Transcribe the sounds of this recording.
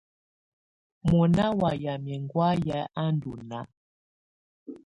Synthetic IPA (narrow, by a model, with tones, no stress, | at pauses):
mɔ˨na˦wa˨ja˨mjɛ˨ŋɡwa˦ja˦a˦ndu˨na˦